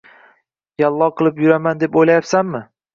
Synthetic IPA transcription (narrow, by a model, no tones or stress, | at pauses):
jalˠːɒqʰɨlˠɪpjʊɾamand̪e̞pojlajapsanmɪ